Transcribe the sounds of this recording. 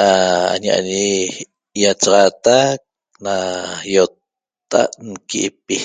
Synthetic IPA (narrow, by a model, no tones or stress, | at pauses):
aa̰ɲaʔa̰ɲi | jat͡ʃɑʁɑt̪ak̚ | najot̪ː | a̰ʔnkiʔpi